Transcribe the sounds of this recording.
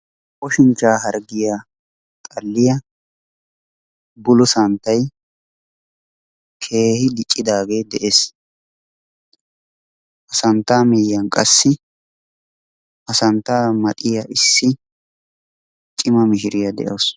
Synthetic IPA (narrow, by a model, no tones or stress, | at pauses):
ʔʼɔʃɪnt͡ʃːaːɦɐɾɡɪja | t̪ʼɐlːɪjɐ | bʊlʊsɐnt̪ːɐj | kʰe̞ːhɪd̪ɪt͡ʃʼːɪd̪aːɡe̞ːd̪ɛʔeːs | ʔɐsɐnt̪ːaːmijːɐnkʼɐsːɪ | ʔɐsɐnt̪ːaːmɐt̪ʼɪjɐʔɪsːɪ | t͡ʃʼɪmɐmɪʃɪɾɪjɐd̪ɛ̰ʔos